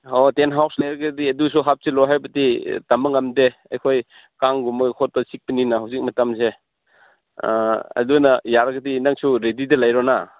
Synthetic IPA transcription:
otenɦawslajɾɐɡɐdiɐdusuɦap̚silɔɦajbɐtitamɐŋamdeɐ̰jkʰoj | kaŋɡumɐkʰɔt̚tasik̚pininaɦawzik̚mɐtamse | ɐ̰dunajaɾɐɡɐdinaŋsuɾedidɐlajɾɔna

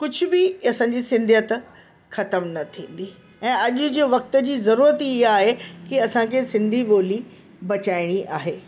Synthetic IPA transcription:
kʊd͡ʑʱʊbɪɐsãɲd͡ʑiːsɪ̃nd̪ʱjət̪ | xɐt̪əmnɐt̪ʰĩːn̆d̪i | ɛ̃ːɐʄʊ̆d͡ʑʋɐk̚t̪d͡ʑiːzɐɾuːɾət̪iɪɦaːɦekiɐsãkʰeːsɪ̃nd̪ʱiɓoːli | bɐt͡ɕaːɪɽ̃iʔa̰ːɦeː

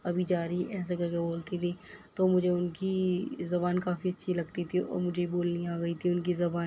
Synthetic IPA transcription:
ɐbʱid͡ʒaːɾiʔɛːs̬eɡɐɾkeboːlt̪it̪ʰit̪oːmʊd͡ʒʱeʊnkizɐbaːnkaːfiɐtːʃʰilɐɡt̪it̪ʰiɔ̰ːɾmʊd͡ʒʱeboːlniaːɡɐit̪ʰiʊnkizɐbaː

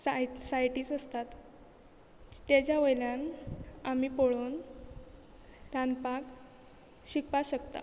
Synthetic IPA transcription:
asajʈiːsəst̪at̪ | t̪jat͡ɕjaʋəjljanamiːpoɭoːn | ɾanpak | ɕikpaɕəkt̪a̰

